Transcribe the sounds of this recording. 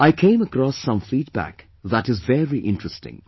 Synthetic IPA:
aɪkʰẽɪ̃məkɾɔsːʌ̃ɱflit̚b̥æ̰k | ðætɨzvɛɹiʔɪ̃ntɹ̥əstɪ̰̃ŋ

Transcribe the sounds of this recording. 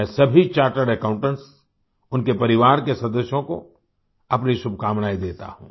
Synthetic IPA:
ɛ̃sɐbʱit͡ʃaːɾʈəɾɛkãːʊ̃ɳʈə̃ɳʈs | ʊnkepɐɾɪʋaːɾkesɐd̪əsjõko̰ | ɐpniʃʊbʱkaːmnaːid̪eːt̪a̰hṵ̃ː

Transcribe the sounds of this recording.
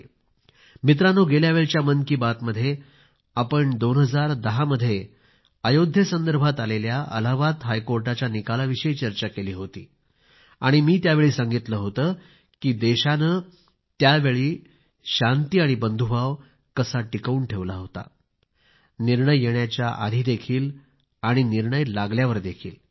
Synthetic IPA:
mit̪̬ɾanoːɡeljaʋeɭt͡ɕjamənkiːbat̪məd̪ʱːje | apəɳd̪onɦəd͡zaɾd̪əɦaməd̪ʱːje | əjod̪ʱjəsənd̪əɾbʱat̪aleljaʔə̰laʋat̪ɦajkoɾʈat͡ɕjanikalaʋiɕəjt͡ɕəɾt͡ɕakeliːɦot̪ḭː | aɽ̃imiːt̪jaʋeɭiːsaŋɡit̪ləːɦot̪əː | kiːd̪eɕanə | t̪jaʋeɭiː | ɕant̪iːaɽ̃ibənd̪ʱubʱaʋ | kəsaʈikəuːɳʈʰeʋlaɦot̪a̰ | niɾɳəjːeɳjat͡ɕjaʔa̰d̪ʱiːd̪ekʰiːl | aɽ̃iniɾɳəjlaɡljaʋəɾd̪ekʰiːl

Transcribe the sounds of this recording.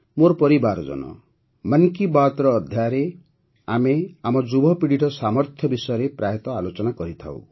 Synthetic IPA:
moɾɔpɔɾibaɾd͡ʒɔ̰nɔ̰ | mankibat̪ɾɔːd̪ʱjajɾe | ameamɔd͡ʒubʱɔpiɽiʈɔsamɔɾt̪ʰjɔbisɔjɔɾepɾaɦet̪ɔalot͡ʃɔnakɔɾit̪ʰa̰w̰

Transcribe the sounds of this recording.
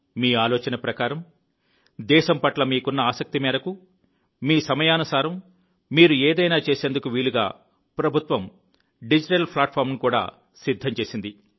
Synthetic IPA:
miːaːloːt͡ʃɐnɐpɾɐkaːɾɐm | d̪ɛːʃɐmpɐʈlɐmiːkunːɐaːsɐk̚t̪imɛːɾɐku | miːsɐmɐjaːnɐsaːɾɐmː | iːɾueːd̪ɐjnaːt͡ʃe̞ːseːnd̪ukuʋiːluɡa̰ː | pɾɐbʱut̪ʋɐm | ɖid͡ʒiʈɐlpʰlaːʈ̚pʰaːɾmnukuːɽa̰ː | sid̪ʱːɐmt͡ʃe̞ːsind̪i

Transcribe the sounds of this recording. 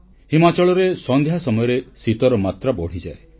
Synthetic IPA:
himat͡ʃɔɭɔɾesɔnd̪ʱjasɔmɔjɔɾesit̪ɔɾɔmat̪ɾabɔɽ̤id͡ʒae

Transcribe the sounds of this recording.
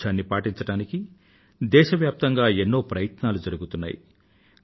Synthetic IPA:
ʃaːnːipaːʈiɲt͡ʃɐɽaːniki | d̪ɛːʃɐʋjaːp̚t̪ɐŋɡaːenːo̞ːpɾɐjɐt̪naːlud͡ʒɐɾuɡut̪unːa̰ːjḭ

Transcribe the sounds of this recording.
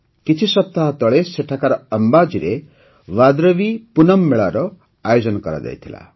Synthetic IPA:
kit͡ʃʰisʌp̚t̪aɦt̪ɔɭeseʈʰakaɾɔʌmbad͡ʒiɾe | wad̪ɾʌbipunʌmːeɭaɾɔ | ajod͡ʒɔnɔkɔɾa̰d̪ɛ̰jt̪ʰila̰

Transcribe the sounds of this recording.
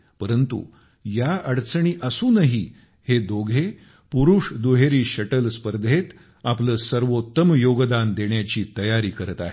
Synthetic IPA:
pəɾənt̪ṵ | jaəɽt͡sɳ̃iːʔəsuːnəɦiː | hed̪oɡʱe | puɾuːʂd̪uɦeɾiːɕəʈəlspəɾd̪ʱet̪ | apləːsəɾʋot̪ːəmjoɡd̪and̪eɳjat͡ɕiːt̪əjaɾiːkəɾət̪a̰ɦe

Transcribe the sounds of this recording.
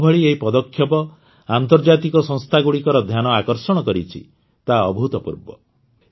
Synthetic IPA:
bʱɔɭieɦipɔd̪ɔkʰːjɔpɔ | ant̪ɔɾd͡ʒat̪ikɔsɔŋst̪ʰaɡuɽikɔɾɔd̪ʱjanɔakɔɾsɔɽ̃ɔkɔɾit͡ʃʰḭ | t̪aɔbʱut̪ɔpṵɾbɔ̰

